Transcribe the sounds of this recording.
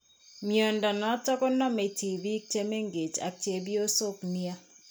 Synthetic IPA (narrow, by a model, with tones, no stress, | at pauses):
mjo˨nda˨nɔ˦tɔ˦kɔ˦nɔ˦me˨ti˨vi˦k̚t͡ʃe˦me˦ŋɡe˨t͡ʃa̰˨k̚t͡ʃe˨bjo˦so˦kni˦a˦